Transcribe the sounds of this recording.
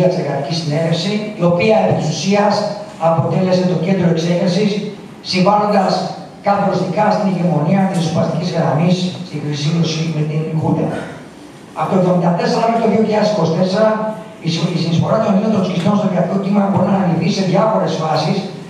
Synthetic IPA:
ɐst̪iɾɣɐt̪icisine̞ɾefsiːo̞piɐepit̪isusiɐsɐpo̞t̪e̞le̞se̞t̪o̞ce̞nd̪ɾoekseɣesisː | iɱvɐlo̞nd̪ɐs | kɐθo̞ɾist̪ikɐst̪iniʝemo̞niɐt̪isesopɐst̪icizɣɾɐmisst̪ixɾisinosimet̪inɡut̪eɾɐ | ɐfot̪oevðo̞mind̪ɐt̪e̞seɾɐet̪oðio̞çilʎɐðesi̥ko̞st̪e̞seɾɐ | isinisfo̞̰ɾɐt̪oniot̪onsiklonst̪oðiɐkt̪o̞c̪imɐbo̞ɾinɐnɐlifθise̞ðʝɐfo̞ɾe̞sfɐsis

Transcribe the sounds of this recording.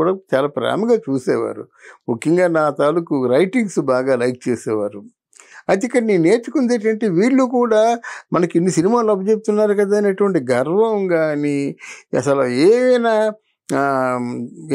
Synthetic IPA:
uːɽaːt͡ʃaːlaːpɾa̰ːmɐɡaːt͡ʃuːsɛːʋa̰ːɾṵ | mukːjɐŋɡaːnaːt̪aːlukuɾɐjʈiŋɡsbaːɡaːlɐjk̚t͡ʃeːsɛːʋaːɾu | ɐjt̪ikːɐɾɐnineːt͡ʃukund̪eːʈ̬ɐɳʈeːʋiːɭːukuːɽaːmɐnɐkenːusinimaːluɐbɐt͡ʃep̬̚ut̪unːaːɾukɐd̪aːɐneʈuʋɐɳʈiɡɐɾʋɐmɡaːniɐ̰sɐlɐeːʋɐjnaː

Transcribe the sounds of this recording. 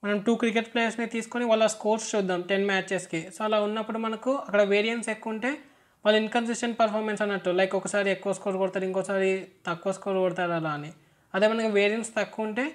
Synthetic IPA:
mɐnɐmʈuːkɾik̬eʈpleːɐɾsnit̪iːsu̥koniʋaːlːɐskoːɾst͡ʃud̪ːaːmʈe̞nmaːt͡ʃt͡ʃeskisoːɐlaːunːɐpːuɽumɐnɐkuɐkːɐɽɐʋeːɾijɐnʈse̞kːuːɳʈe̞ː | ʋaːlːɐiŋkɐns̬isʈɐnpɐɾpʰaːɾmensɐnːɐʈːulɐjkɔkɐsaːɾiekːuʋɐskoːɾkoːɽt̪aːɾiŋkɔsaːɾit̪ɐkːuʋɐskoːɾkɔɽt̪aːɾaɾaɐni | ɐd̪e̞ːmɐnɐkuʋeːɾijɐnʈst̪ɐkːuːɐɳʈe̞ː

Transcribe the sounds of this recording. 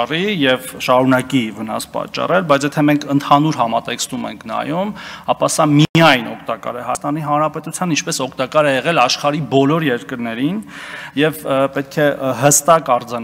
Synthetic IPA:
rijɛvʃɑɾunɑkivənɑ̰spɑ̰t͡ʃːɑ̰rɛlbɑjt͡sʰjɛt̪ʰɛmɛŋkʰənt̪ʰɑnuɾɦɑmɑt̪ɛkst̪umɛ̰ŋkʰnɑ̰jumɑpɑsɑmiɑjnɔ̰kʰt̪ɑkɑ̰ɾɛhɑst̪ɑniɦɑnɾɑpɛt̪ut͡sʰjɑnint͡ʃʰpɛsɔkʰt̪ɑkɑɾɛjɛʁɛlɑʃχɑɾibɔlɔɾjɛɾkəɾnɛɾinjɛvpɛt̪̚kʰɛɦəst̪ɑkɑɾd͡zɑn

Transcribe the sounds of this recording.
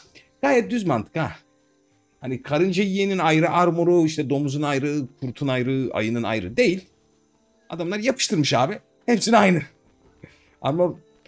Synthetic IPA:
ɡ̥aːjɾɛt̪̚d̪yzmant̪ʰɯ̥kʰa | hanikʰaɾɯnd͡ʒajijeninajɾɯʔaɾmoɾuiʃt̪ʰɛd̪o̞muzunajɾɯkʰuɾt̪ʰunajɾɯa̰jɯnɯna̰jɾɯ̰d̪e̞jilʲ | a̰d̪amlˠaɾjapʰɯʃt̪ʰɯɾmɯʃaːbi | hɛpsinajnɯ | a̰ma

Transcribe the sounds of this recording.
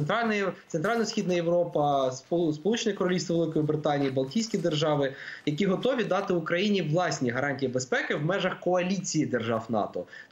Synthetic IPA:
nt̪ɾɑlʲnt̪sent̪ɾɑlʲnɔsʲxʲid̪nɐjeʋɾɔpɐsspɔlˠut͡ʃenʲikɔɾɔlʲist̪ɪʋlˠɪkɔjibɾɪt̪ɑnʲijibɐlˠtʲijsʲkʲid̪erʒɑʋɪjɐkʲiɦɔt̪ɔʋʲid̪ɑt̪ɪʊkɾɐjinʲiʋlˠɑsʲnʲiɦɐɾɑnʲtʲijibespɛkɪwmɛʒɐxkɔɐlʲit͡sʲijid̪erʒɑwnɑ̰t̪ɔ

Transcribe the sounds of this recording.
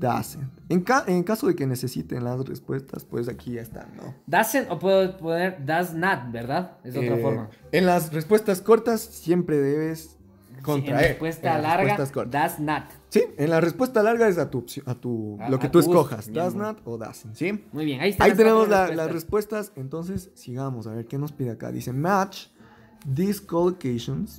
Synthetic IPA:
d̪a̰seneŋkaʔeŋkaso̞ðe̞kene̞se̞sit̪ḛnlasrḛspwe̞st̪a̰spwesakʰiʝaest̪a̰no̰d̪asenopweðoponeɾd̪aznat̪̚beɾðaðezoɾafomaenlasrespwe̞st̪asko̞ɾt̪asːje̞mpɾe̞ðeβe̞s | kont̪ɾaeɾpwest̪alaɾweast̪asko̞ɾt̪d̪aznat̪ | sienlarespwe̞st̪alaɾɣaes̬at̪upsjat̪uloket̪ueskoxa̰sd̪aznat̪oða̰sensimujβjenaist̪ait̪e̞nemozlalasrespwe̞st̪asent̪o̞ns̬esːiɣamo̞saβe̞ɾke̞no̞spiðeaka̰ðḭse̞mat͡ʃ | d̪iskolokejʃons

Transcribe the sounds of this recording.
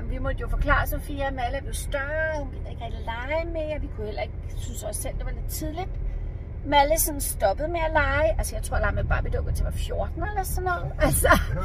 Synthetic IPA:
mʋimɒd̥əjo̝fɒ̽kʰlɑ̰̈ːsɒ̽mfḭæmæləæɐʋijo̝sd̥ɶɐhunkʰend̥eɡ̥ʁɛɡ̥ilɑ̈ɪmeæʋikʰujohel̰ɐe̝ɡ̥synsɒsːel̰d̥e̝ʋɑ̈leð̥ˠt͡sʰiðˠlid̥ | mæləsɒ̽nsd̥ɒ̽b̥əð̩ˠmeælɑ̈ɪʔælsəjɑ̈ɪt͡sʰʁo̝ɐ̰lɑ̈ɪmeb̥ɑ̈ːʋid̥ɒʊɡ̥ot͡sʰeʋɑ̈fjo̝ɐd̥n̩elɐsɒnːɒðˠælsɒ

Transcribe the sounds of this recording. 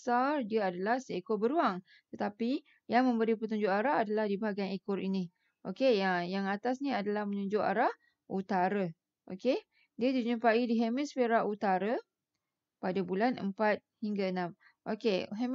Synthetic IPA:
sardiaadalahsekobəɾuaŋ | t̪ət̪api | jaŋmə̃mbəɾipət̪uɲd͡ʒʊʔaɾaadalahdibaaɡanekʊrini | ʔo̰kejajaŋat̪asniadalahmənuɲd͡ʒʊʔa̰ɾah | ʔut̪aɾa | ʔoke | diədiɲəpaidiɦemisfeɾaʔut̪aɾa | padabulanʔə̰mpat̪̚hiŋɡaənãm | ʔokeɦem

